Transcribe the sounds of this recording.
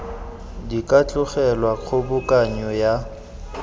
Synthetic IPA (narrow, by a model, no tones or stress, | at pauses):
dikʼat͡ɬʼʊχɛlwak͡xʰʊbʊkʼaɲɔja